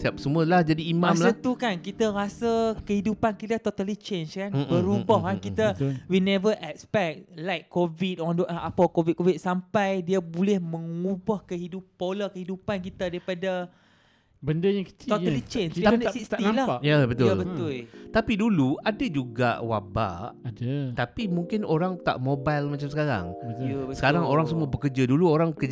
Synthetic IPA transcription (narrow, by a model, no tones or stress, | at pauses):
siap̚səmũəlahd͡ʒadiːmãamslat̪ukankit̪aɾasəkəhidupankit̪at̪ot̪alit͡ʃenskanbəɾubɔhkankit̪awinɛvəʔɛk̚spɛk̚lajkːovid̪ɔ̃nduʔaapakovid̪̚kovit̪̚sampajdiabulɛhmə̃ŋubɔhkəɦidupːoləkəɦidupankit̪adaɾipada | bəndəjaŋkə̥t͡ʃiɔlit͡ʃenadsisinalaaʔjabət̪ʊlbət̪ʊlt̪apiduluadad͡ʒuɡa̰ʔwa̰ba̰ʔadat̪apimuŋkɪnoɾaŋt̪a̰ʔmobajlmat͡ʃamsəkaɾa̰ŋbəabəsə̥kaɾaŋoɾaŋsəmuabəkəd͡ʒaduluoɾaŋkəd͡ʒ